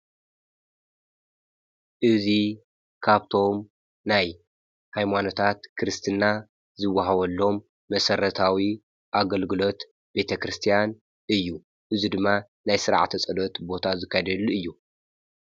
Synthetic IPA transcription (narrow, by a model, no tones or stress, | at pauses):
ʔɨzi | kʰaβt̪ʰo̞m | naj | hajmano̞t̪ʰat̪kʰɨɾɨst̪ʰɨnːa | zɨwːaɦaβɐlːo̞mː | ɐsɐɾɐt̪ʰawi | ʔaɡɐlɡɨlo̞t̪ | b̥e̞t̪ʰɐkɾɨst̪ʰijan | ʔɨjːu | ʔɨzid̪ɨmːa | najsɨɾa̰ʕ̰t̪ʰɐt͡sʼɐlot̪bo̞t̪ʰazɨkʰːajd̪ɐlːuɨjːu